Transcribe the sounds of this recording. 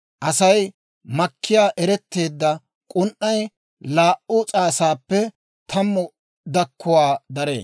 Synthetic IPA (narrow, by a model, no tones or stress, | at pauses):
ʔɐsɐj | mɐkʰːɪjaːʔɛɾɛt̪ːe̞ːd̪ːɐ | kʼʊnʔːɐj | laːʔʊt͡sʼaːsaːpːɛ | t̪ʰɐmːɔ | d̪ɐkːʊwaːd̪ɐɾḛː